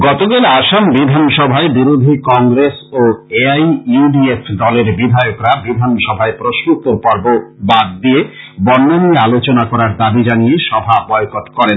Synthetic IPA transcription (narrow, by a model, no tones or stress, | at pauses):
ɡɔt̪oɡelaʃambid̪ʱanʃɔbʱaebiɾod̪ʱikɔŋɡɾesoeajuɖiefʰd̪ɔleɾbid̪ʱajokɾabid̪ʱanʃɔbʱaepɾoʃnut̪oɾpɔɾbobad̪̚d̪ie | bɔnːaniealot͡ɕonakɔɾaɾd̪abid͡ʑanijeʃɔbʱabɔekot̪kɔɾen